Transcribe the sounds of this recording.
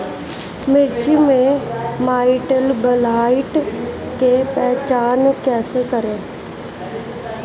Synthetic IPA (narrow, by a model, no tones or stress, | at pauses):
mɪɾt͡ʃimẽmaːɪʈəlbəlaːɪʈ | kepɛːt͡ʃaːnkɛːsekəɾẽː